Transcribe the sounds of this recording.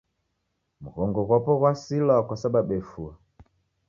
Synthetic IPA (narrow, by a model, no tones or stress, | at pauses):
muɣɔŋɡɔɣɔpɔɣwasilakwasaɓaɓɛfua